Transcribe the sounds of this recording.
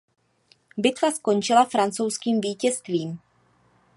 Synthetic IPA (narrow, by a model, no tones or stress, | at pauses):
bɪt̪vaskont͡ʃɪlafɾant͡so̞wskiːmviːcɛst̪viːm